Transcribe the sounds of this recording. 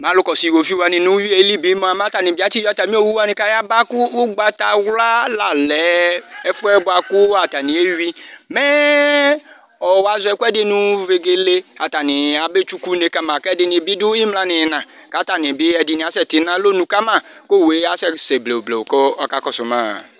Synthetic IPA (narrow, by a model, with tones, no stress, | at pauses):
mã˨˦lʊ˦kɔ˨si˨wo˨fi˦wa˨nɪ̃˨nũ˦wi˦e˨˦li˦bi˨˦mɔ˦a˨m˦ã˦ta˨nɪ̃˨bi˨a˦t͡ʃi˦a˦ta˨mĩ˦o˦˨wu˦wa˦nɪ̃˨ka˦ja˦ba˦kʊ˦ɡ͡ba˨ta˨wla˦la˨lɛ˨˦ɛ˦fʊ˦ɛ˦bʊ˦a˨kʊ˦a˨ta˨nɪ̃˨e˦wi˦mɛ˦ | ɔ˨wa˨zɔ˨ɛ˨ku˦ɛ˦dɪ˦nũ˨ve˨ɡe˦le˦a˨ta˨nɪ̃˨a˨be˦t͡ʃu˦ku˦ne˨ka˦mã˨kɛ˦dɪ˨nɪ̃˨˦bi˦dʊ˦ɪ˦mlã˦nɪ˨˦nã˨ | ka˨˦ta˨nɪ̃˨bɪ˦ɛ˨dɪ˨nɪ˨a˨˦sɛ˦tɪ˨˦nã˦lo˦nũ˨ka˦mã˦˨ | ko˦˨we˨˦a˦sɛ˦sɛ˨ble˨o˨ble˨wo˨kɔ˦ɔ˦ka˦kɔ˨sʊ˨mã̰˦